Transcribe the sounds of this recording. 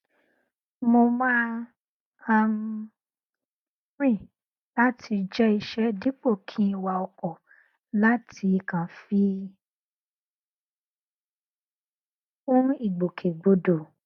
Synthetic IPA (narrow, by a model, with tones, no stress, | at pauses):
mo˧mãː˦ | a˧m | ɾĩ˦˨ | la˦tʰi˧d͡ʒɛ˦i˧ʃɛ˦di˦k͡po˦˨kʰĩ˦˧wa˧ɔ˧kɔ˨ | la˦tʰi˧i˧kã˨fi˦ | ũ˦i˦˨ɡ͡bo˨kʰe˨ɡ͡bo˧do˨